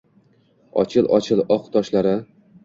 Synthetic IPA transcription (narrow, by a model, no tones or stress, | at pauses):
ɒ̰t͡ʃʰɪlˠʔɒ̰t͡ʃʰɪlˠɒqt̪ʰɒʃlaɾɪ